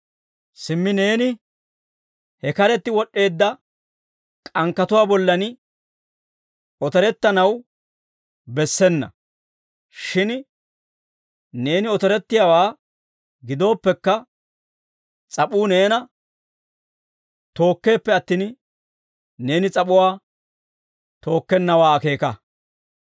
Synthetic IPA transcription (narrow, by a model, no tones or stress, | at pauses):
sɪmːɪne̞ːnɪ | hɛkɐɾɛt̪ːɪwɔɗːe̞ːd̪ːɐ | kʼɐŋkːɐt̪ʊwaːbɔlːɐnɪ | ɔt̪ɛɾɛt̪ːɐnɐw | bɛsːɛnːɐ̰ | ʃɪn | ne̞ːnɪɔt̪ɛɾɛt̪ːɪjaːwaː | ɡɪd̪o̞ːpːɛkːɐ | t͡sʼɐpuːne̞ːnɐ | t̪o̞ːkːe̞ːpːɛɐt̪ːiːn | ne̞ːnɪt͡sʼɐpʊwaː | t̪o̞ːkːɛnːɐwaːke̞ːkɐ